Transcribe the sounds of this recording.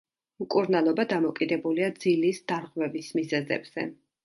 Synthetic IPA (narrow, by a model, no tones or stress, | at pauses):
mkʼuɾnalˠɔbad̪amɔkʼid̪ɛbuliad̪zilisd̪̥aɾʁvɛvismizɛzɛ̰bz̥ɛ̰